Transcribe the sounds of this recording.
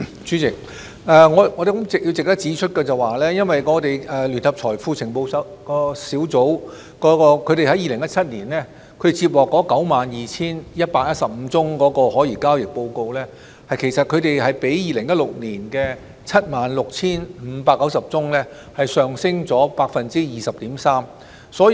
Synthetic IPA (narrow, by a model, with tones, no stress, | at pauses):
t͡sy˨˥t͡sɪ˨k̚ | ʔɛː˨ŋɔː˨˧ŋɔː˧de˨kʊ˨˥mt͡sɪ˨k̚ji˧wt͡sɪ˨k̚t̪ɐ˥k̚t͡siː˨˥t͡ʃʰɵ˥t̚kɛː˧t͡sɐ˨waː˨lɛː˥jɐ˥nwɐ˨jŋɔː˨˧t̪e˨jɛː˨lyː˨˩nhɐ˨p̚t͡sʰɔː˨˩jfuː˧t͡sʰɪ˨˩ŋpo˧wsɐ˨˥kɔː˧siː˨˥wt͡so˨˥w | kɔː˨˥kɔː˧kʰɵ˨˧ɥɾe˨jhɐ˨˥jiː˨lɪ˨˩ŋjɐ˥t̚t͡sʰɐ˥t̚niː˨˩nlɛː˥ | kʰɵ˨˧˥ɾe˨t͡siː˧p̚lɔː˨˩kːɔː˨˥kɐ˨˥wmaː˨njiː˨˩t͡sʰiː˥njɐ˥t̚paː˧k̚jɐ˥t̚sɐ˨p̚m̩ː˨˧t͡sʊ˥ŋkɔː˨˥kɔː˧hɔː˨˥jiː˨˩kaː˥wjɪ˨k̚po˧wko˧wlɛː˥ | hɐ˨jkʰe˨˩jsɐ˨t̚kʰɵ˨˧ɥt̪e˨jɦɐ˨jpe˨˥jjiː˨lɪ˨˩ŋjɐ˥t̚lʊ˨k̚niː˨˩nkɛː˧ | t͡sʰɐ˥t̚maː˨nlʊ˨k̚t͡sʰiː˥nm̩˨˧˦paː˧kːɐ˨˥wsɐ˨p̚t͡sʊ˥ŋlɛː˥ | hɐ˨jsœː˨ŋsɪ˥ŋt͡sɔː˨˥paː˧k̚fɐ˨nt͡siː˥jiː˨sɐ˨p̚t̪iː˨˥msaː˥m | sɔː˨˥